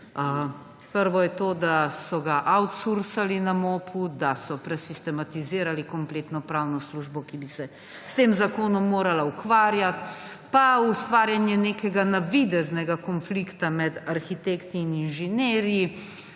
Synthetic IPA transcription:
ə | pəɾʋɔjɛt̪oːd̪asɔɡaʔawt̪suɾsalinamoːpʰud̪asɔpɾɛsist̪ɛmat̪iziːɾalikɔmpleːt̪nɔpɾawnɔsluʒbɔkibisɛ | st̪eːmzakoːnɔmːoːɾalaukʋaːɾjat̪ | paust̪ʋaːɾjanjɛneːkɛɡanaʋid̪ɛznɛɡakɔnflikt̪amɛd̪aɾxit̪eːkt̪iːninʒɛneːɾji

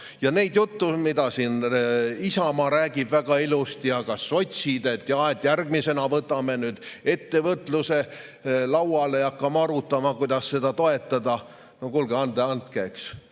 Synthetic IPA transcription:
jɑne̞jd̪jut̪ːumid̪ɑsiːnisɑmɑɾæːɡ̥ib̥væɡ̥ɑilust̪ijɑkɑsːo̞t̪ʲsid̪e̞t̪jɑet̪ːˑjærɡ̥̚mise̞nɑvɤt̪ːˑɑmenyːd̪̥e̞t̪ːe̞vɤt̪ːluse̞ | lɑwɑleɑkːɑmɑɾut̪ːˑɑmɑkujd̪̥ɑsːe̞d̪̥ɑt̪o̞e̞t̪ːˑɑd̪ɑ | nokulɡeɑnd̪eɑnt̪̚keːks

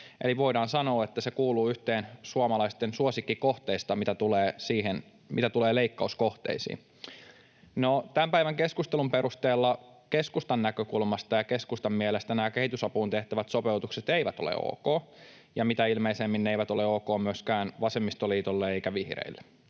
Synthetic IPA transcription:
ʔḛliʋo̞idɑːnsɑno̞ːet̪ːæsekuːluːyht̪eːnsuomɑlɑist̪ensuosikːikoht̪eist̪ɑmit̪æt̪uleːsiːɦen | mʔit̪æt̪uleːleikːɑuskoht̪ḛisḭːn | not̪æmpæiʋæŋkeskust̪elumpeɾust̪eːlːɑkeskust̪ɑnːækøkulmɑst̪ɑjɑkeskust̪ɑmmielest̪ænæːkehit̪ysɑpuːnt̪eht̪æʋæt̪sopeut̪ukset̪eiʋæt̪olḛo̰ːkoː | jɑmit̪æilmeisemːinːeiʋæt̪o̞leoːkoːmyøskæːnʋɑsemːist̪oliːt̪olːeeikæʋihrḛilːe̥

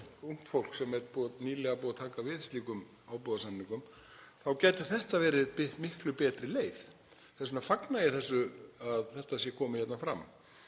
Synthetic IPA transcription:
uŋ̥t̪fowl̥ksɛmɛɾt̪puːðniːlɛɣapuːðat̪ʰaːkavɪðst̪liːkʏm | aːwpɔðasanːiŋkʏm | θawcɛːt̪ʏɾ̥θɛht̪avɛːɾɪðpmɪhklʏpɛːt̪ɾɪleːjθ | θɛsʏnafaknajɛθɛsːʏaðθɛht̪asjɛkʰɔːmʏçjɛt̪nafɾa̰mː

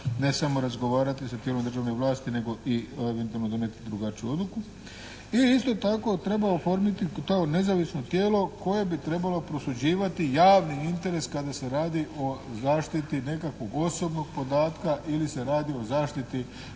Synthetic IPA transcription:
ne̞samo̞ɾazɡo̞ʋaːɾat̪isat̪jelo̞md̪ɾrʒaʋneʋlˠaːst̪ine̞ɡo̞ʔieʋent̪alnod̪o̞net̪id̪ɾuɡat͡ɕijuo̞d̪luku | iist̪o̞t̪ako̞t̪ɾe̞baofo̞ɾmit̪it̪aone̞zaʋisno̞t̪jeːlo̞ko̞je̞bit̪ɾe̞balo̞pɾo̞sud͡ʑiːʋat̪ijaːʋniint̪e̞ɾe̞skad̪ase̞ɾaːd̪iʔo̞zaːʃt̪it̪ine̞kakʋo̞ɡo̞so̞bno̞ɡ̚po̞d̪aːt̪kaʔilise̞ɾaːd̪io̞zaːʃt̪it̪i

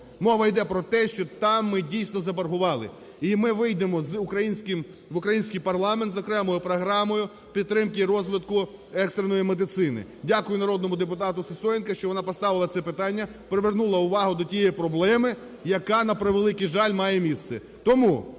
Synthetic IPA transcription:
mɔʋɐjd̪ɛpɾɔt̪ɛʃt͡ʃɔt̪ɑmːɪdʲijsʲnɔzɐbɐrɦʊʋɑlˠɪ̰ | imɪʋɪjd̪emɔzʊkɾɐjinʲsʲkʲɪm | ʋʊkɾɐjinʲsʲkʲijpɐrlˠɑment̪zɔkɾɛmɔjʊpɾɔɦɾɑmɔjʊ | pʲid̪t̪t̪ːɾɪmkɪɾɔzʋʲɪt̪̚kʊ | ɛkst̪ɾenɔjimed̪ɪt̪sɪnɪ̰dʲakʊjʊnɐɾɔd̪nɔmʊd̪epʊt̪ɑt̪ʊsɪsɔjnkɐʃt͡ʃɔʋɔnɑpɔst̪ɑʋɪlˠɐt̪sɛpɪt̪ɑnʲːɐ | pɾeʋernulˠɐʊʋɑɦʊd̪ɔtʲijɛpɾɔblˠɛmɪ | jɐkɑnɐpɾeʋelˠɪkɪʒɑlʲmɑjemʲist̪sɛ | t̪ɔmu

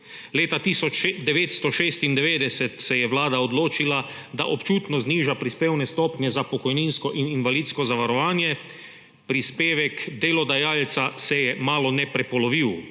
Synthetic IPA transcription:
leːt̪at̪iːsɔt͡ʃd̪ɛʋeːt̪st̪ɔʃeːst̪ind̪ɛʋeːd̪ɛsɛt̪sɛjɛʋlaːd̪aɔd̪loːt͡ʃila | d̪a̰ʔɔpt͡ʃuːt̪nɔzniːʒapɾispeːwnɛst̪ɔːpnʲjɛzapɔkɔjninskɔʔininʋaliːd̪skɔzaʋaɾɔʋaːnjɛ | pɾispeːʋɛkd̪eːlɔd̪ajaːlt̪sasɛjɛmaːlɔnɛpɾɛpɔlɔʋiw

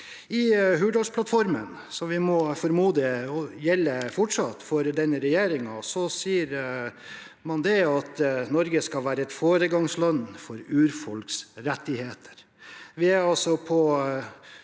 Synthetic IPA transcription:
ɪɦʉːɖɔspʰlɑt̪fɔɾmə̰n | sɔʋɪmɔfɔɾmuːd̪ɪɔjɛlːəfʊʈʂɑt̪ːfɔɾd̪ɛnːəɾɛjeːɾɪŋɑsɔsiːəɾ | mɑnd̪ɛɑt̪nɔɾɡəskɑlʋæːɾəɛt̪foːɾəɡɑŋslɑnːfɔɾʉːɾfɔlksɾɛt̪ːɪheːt̪ʰə̥ɾ | ʋɪæɑlsɔpʰɔ

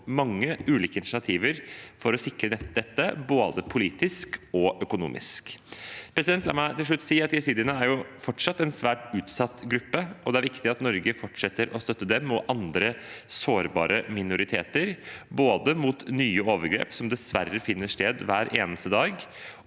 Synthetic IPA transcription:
mɑŋːəʉːliːkəɪnɪʃɑt̪ʰiːʋəɾfɔɾɔsɪkɾənɛd̪ɛt̪ːəboːd̪əpʰʊliːt̪ɪskɔʔœkʊnṵːmʔɪ̰skpʰɾɛsɪd̪ɛnt̪lɑ̰mæt̪ɪlʂɭʉt̪ːsiːɾɑt̪jɛsiːd̪ɪənəæɾjʊfɔʈʂɑt̪ːɛnsʋæːʈʉːt̪sɑt̪ːɡɾʉpːəʔɔd̪ɛæɾʋɪkt̪ɪɑt̪nɔɾɡəfɔʈʂɛt̪ːəɾɔst̪œt̪ːəd̪ɛmɔʔɑnd̪ɾəsoːɾbɑ̰ːɾʔəmɪnʊɾɪt̪ʰḛːt̪əɾboːd̪əmut̪nyːəoːʋəɾɡɾḛːpsɔmd̪ɛsʋæ̰rːəfɪnːəʂteːd̪ʋæːɾʔeːnəst̪əd̪ɑːɡ

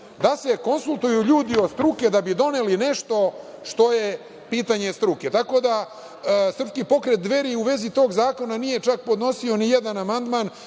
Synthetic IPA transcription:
d̪ase̞ko̞nsulˠt̪ujuʎuːd̪io̞st̪ɾuked̪abid̪o̞neline̞ʃt̪o̞ʃt̪o̞je̞ | piːt̪aɲest̪ɾuket̪akod̪a | sr̩pskipo̞kɾet̪̚d̪ʋe̞ɾiuʋe̞zit̪o̞ːɡzaːko̞nanije̞t͡ʃak̚po̞d̪no̞sio̞nijed̪anamand̪man

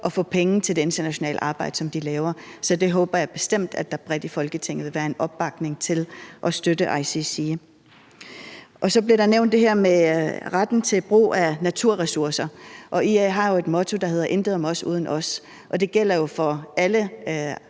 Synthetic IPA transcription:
ʔɒ̽fɔ̰̽ːpʰeŋ̩t͡sʰe̝ld̥e̝e̝nd̥ɐnæɕo̝nɛ̰ːləʔɑ̈ːb̥ɑ̈ɪ̰d̥əsɒ̽md̥ilɛːʊɐ | sɒ̽d̥e̝ɦɔ̽ːb̥ɐjɑ̈ɪb̥e̝sd̥em̰d̥æd̥ɑ̈b̥ʁɛd̥ifɒ̽lɡ̥ət͡sʰe̝ŋ̰ð̩ˠʋe̝ʋæːɐe̝nɒ̽b̥ːɑ̈ɡ̥ne̝ŋt͡sʰe̝lʔɒ̽sd̥ødəʔɑ̈ɪsisi | ʔɒ̽sɒ̽b̥liɐɾ̥ɑ̈neʊ̰nd̥e̝ɦɛɐ̰meʁad̥n̩t͡sʰe̝lb̥ʁṵːænæt͡sʰuɐ̰ʁɛsuɐsɐʔɒ̽ʔieɦɑ̈jo̝e̝d̥mɔ̽t͡sʰo̝d̥ɑ̈ɦe̝ð̰ˠɐʔe̝nd̥ðˠɒmɒ̽sṵːð̞ˠn̩ʔɒ̽s | ʔɒ̽d̥e̝ɡ̥el̰ɐjo̝fɒ̽ælə

